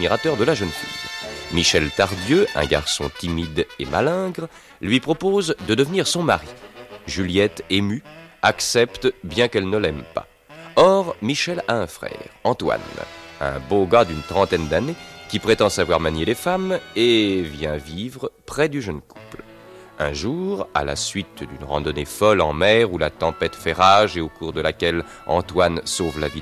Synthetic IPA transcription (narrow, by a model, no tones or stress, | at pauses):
miʁat̪œʁd̪əlaʒənfḭjmiʃɛlt̪aʁd̪jøɛ̰̃ɡa̰ʁsɔ̰̃t̪imid̪ḛma̰lɛ̃ɡʁ | lɥipχɔpozd̪əd̪əvəniʁsɔ̃maʁiʒyljɛt̪emyaksɛpt̪bjɛ̃kɛlnəlɛmpa̰ | ɔʁmiʃɛlaɛ̃fχɛ̰ʁɑ̃t̪wa̰nɛ̰̃boɡad̪ynt̪χɑ̃t̪ɛnd̪anekʲipχet̪ɑ̃savwaʁmaɲjelefamevjɛ̃vivʁpχɛd̪yʒənku̥pl | ɛ̰̃ʒuʁa̰la̰sɥit̪d̪ynʁɑ̰̃d̪ɔnefɔlɑ̰̃mɛʁulat̪ɑ̃pɛt̪fɛʁaʒeokuʁd̪əlakʲɛl | ɑ̰̃t̪wansovla̰vi